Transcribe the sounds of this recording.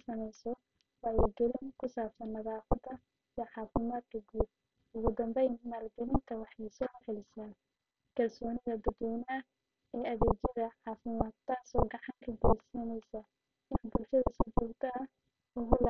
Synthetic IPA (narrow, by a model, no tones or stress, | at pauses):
sɐmɛjsɔ | wɑːɛjd̪ʊlɪnkʰʊsaːbsɐnmɐðaːfɐd̪ɐ | ijɐʕɑːfɪmaːd̪̚kʰɐɡuːd̪̚ | ʊɣʊd̪ɐmbɛjnnɐːlbɪlɪnt̪ʰɐwɑħɛjsɔːħɛlɪsa | kʰɐlsɔːnɪɣɐd̪ɐd̪wɔːnɐɐ | ɛːɐðɛːt͡ʃɐðɐʕɑːfɪmaːd̪̚t̪ʰaːsɔːɡɑʕɑŋkʰɐɡɛjsiːnɛjsɐ | ɪnbʊlʃɐðɐsit͡ʃɔːɡt̪ʰɐɐ | ʊɣʊl